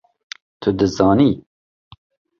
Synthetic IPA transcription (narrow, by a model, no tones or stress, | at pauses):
t̪ʰʊd̪ɨzɑːni